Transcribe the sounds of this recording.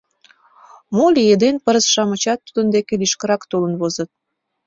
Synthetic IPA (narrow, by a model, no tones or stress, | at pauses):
molijed̪enpəɾəsʃɑmət͡ɕɑt̪ːud̪ənd̪ekeliʃkə̆ɾɑkt̪olə̆nβozə̆t̪̚